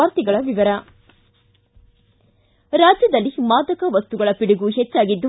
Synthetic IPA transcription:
aːɾt̪iɡɐɭɐʋiʋɐɾɐ | ɾaːd͡ʒjɐd̪ɐlːimaːd̪ɐkɐʋɐst̪uɡɐɭɐpiɽuɡuɦet͡ʃːaːɡid̪ːu

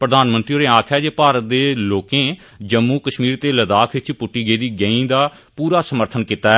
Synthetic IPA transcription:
pɾəd̪aːnmə̃nt̪ɾioːɾeːaːkʰɛːd͡ʒeːpaːɾət̪̚d̪eːloːkẽː | d͡ʒəmːuːkəʃmiːɾt̪eːləd̪aːkʰɪt͡ʃpʊʈːiːɡeːd̪iːɡə̃ĩːd̪aː | puːɾaːsəməɾt̪ʰənkiːt̪aːɛ

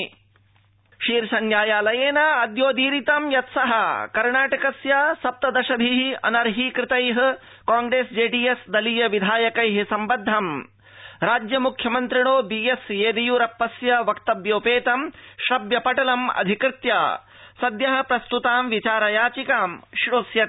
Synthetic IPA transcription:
ʃiːɾsɐnjaːjaːlɐjeːnɐɐd̪joːd̪iːɾit̪ɐmjɐt̪sɐɦɐkɐɾɳaːʈɐkɐsjasɐp̚t̪ɐd̪ɐʃɐbʱiɦiɐ̰nɐɾɦikɾɪt̪ɐjɦɐ̆ | kaːŋɡɾeːsd͡ʒeːɖiːesd̪ɐlijɐʋid̪ʱaːjɐkɐjɦisɐmbɐd̪ʱːɐm | ɾaːd͡ʒjɐmukʰjɐmɐnt̪ɾiɳ̃oːbiːesjeːd̪ijuɾɐpːɐsjɐʋɐkt̪ɐbjoːpeːt̪ɐmʃɾɐbjɐpɐʈɐlɐmɐ̰d̪ʱikɾɪt̪jaː | sɐd̪jɐɦɐ̆pɾɐst̪ut̪aːmʋit͡ʃaːɾɐjaːt͡ʃikaːmʃɾoːsjɐt̪

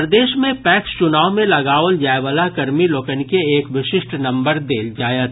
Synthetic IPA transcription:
ɾəd̪eːʃmẽpɛːkst͡ʃʊnaːomẽlɐɡaːʋəld͡ʒaːeʋəlakɐɾmiloːkənkeeːkʋɪʃɪʃʈnɐ̃mbəɾd̪eːld͡ʒaːjət̪

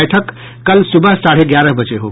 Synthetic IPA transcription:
jʈʰəkː | əlsubəɦsaɽ̤eɡjaɾəɦbət͡ʃeɦo̰

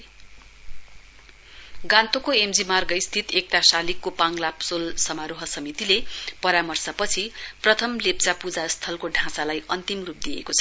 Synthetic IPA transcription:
ɡãnt̪okoemd͡zimarɡʌist̪ʰit̪ek̚ʈ̪asalikːopãŋlapsolsʌmaɾoɦʌsʌmit̪ilepʌɾamʌrsʌpʌt͡sʰiprʌt̪ʰʌmlep̚t͡sapud͡zast̪ʰʌlkoɖʱãsalajʔʌnt̪imrup̚d̪ijḛkot͡sʰʌ

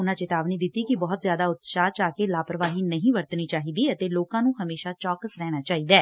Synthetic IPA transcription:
ʊnãːt͡ʃɪt̪aːbniːd̪ɪt̪ːiːkɪbɔːt̪zjaːd̪aːʊt̪ʃaːt͡ʃaːkeːlaːpɾəʋaːɦiːnəɦĩːʋəɾt̪niːt͡ʃaːɦiːd̪iːət̪eːloːkãːnũːɦəmeːʃaːt͡ʃɔːkəsɾɛːɽ̃aːt͡ʃaːɦiːd̪ɛː

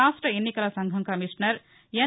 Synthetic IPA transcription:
aːʂʈɾɐenːikɐlɐsɐŋɡʱɐŋkɐmiʂnɐɾ | jɐ

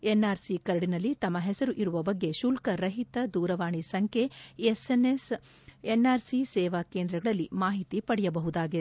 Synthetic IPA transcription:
enːaːɾsikɐɾɐɽinɐlːit̪ɐmːɐɦɛsɐɾuʔiɾuʋɐbɐɡːe̞ʃulkɐɾɐɦit̪ɐd̪uːɾɐʋaːɳisɐŋkʰeesenesenːaːɾsisɛːʋakeːnd̪ɾɐɡɐɭɐlːimaːɦit̪ipɐɽɛjɐbɐɦud̪aːɡi

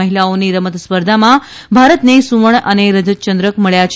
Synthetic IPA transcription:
əɦilaoniɾəmət̪spəɾd̪ʱamã | bʱaɾət̪nesuʋəɳ̃əneɾəd͡ʒət̪t͡ʃənd̪ɾəkməɭjat͡ʃʰ

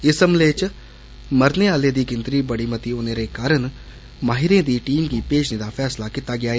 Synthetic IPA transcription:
ɪsəmleːt͡ʃ | məɾneːaːleːd̪iːɡɪnd̪ɾiːbəɽiːmət̪iːoːneːɾeːkaːɾəɳ | maːɦɪɾẽːd̪iːʈiːmɡiːpeːd͡ʒnẽːd̪aːpʰɛːslaːkit̪aːɡɪaːeː

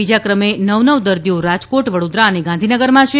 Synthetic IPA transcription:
id͡ʒakɾəmenəʋnəʋd̪əɾd̪ioɾad͡ʒkoʈʋəɽod̪ɾaəneɡãnd̪ʱinəɡəɾmãt͡ʃʰe

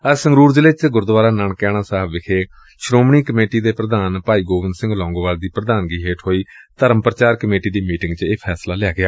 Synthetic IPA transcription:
əsə̃ŋɡɾuːɾd͡ʒəleːt͡ʃɡʊɾd̪ʋaːɾaːnaɳkɛːɽaːsaːɦəbʋɪkʰeː | ʃɾoːmɳ̃iːkəmeːʈiːd̪eːpɾəd̪aːnpaːiːɡoːʋɪnd̪sɪ̃ŋɡlɔ̃ːŋɡʋaːɽd̪iːpɾəd̪aːnɡiːɦeːʈɦoːiːt̪əɾəmpɾət͡ʃaːɾkəmeːʈiːd̪iːmiːʈɪ̃ŋɡt͡ʃeːpʰɛːslaːlɪjaːɡɪaː

